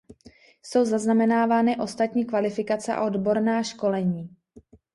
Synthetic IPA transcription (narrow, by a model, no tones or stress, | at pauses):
so̞wzaznamɛnaːvaːnɪʔo̞st̪at̪ɲiːkvalɪfɪkat͡sɛʔa̰ʔo̞dbo̞ɾnaːʃko̞lɛɲiː